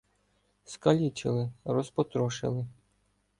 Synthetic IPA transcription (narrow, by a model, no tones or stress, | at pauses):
skɐlʲit͡ʃɪ̰lˠɪɾɔspɔt̪ɾɔʃɪ̰lˠɪ